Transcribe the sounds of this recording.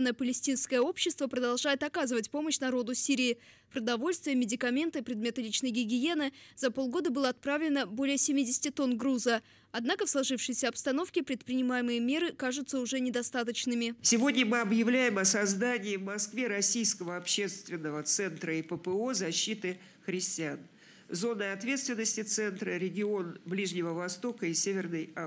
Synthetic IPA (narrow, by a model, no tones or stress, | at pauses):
nəjəpəlʲɪsʲtʲinskəjəo̞pɕːɪst̪vəpɾəd̪ɐlˠʐajɪt̪ɐkazɨvətʲpo̞məɕnɐɾo̞d̪ʊsʲiɾʲɪː | pɾəd̪ɐvo̞lʲst̪vʲɪjəmʲɪdʲɪkɐmʲe̞nt̪ɨpɾʲɪd̪mʲe̞t̪ɨlʲit͡ɕnəjɡʲɪɡʲɪje̞nɨzɐpo̞lˠɡo̞d̪əbɨlˠəɐt̪̚pɾavlʲɪnəbo̞lʲɪjəsʲɪmʲidʲɪsʲɪ̥tʲɪt̪o̞nɡruzə | ɐd̪nakəfslˠɐʐɨfʂɨjsʲəɐpst̪ɐno̞fkʲɪpɾʲɪt̪̚pɾʲɪnʲɪmajɪmɨjəmʲe̞ɾɨkaʐʊt̪səʊʐɛnʲɪd̪ɐst̪at̪ət͡ɕnɨmʲɪsʲɪvo̞dʲnʲəmɨɐbjɪvlʲæjɪmɐsɐzd̪anʲɪːvmɐskvʲe̞ɾɐsʲijskəvəɐpɕːe̞st̪vʲɪnːəvət̪sɛnt̪ɾəipəpəo̞zɐɕːit̪ɨ | xɾʲɪsʲtʲɪan | zo̞nːəɐt̪vʲet̪st̪vʲɪnːəsʲtʲɪt̪sɛnt̪ɾəɾʲɪɡʲɪo̞nblʲiʐnʲɪvəvɐst̪o̞kəisʲevʲɪrnəja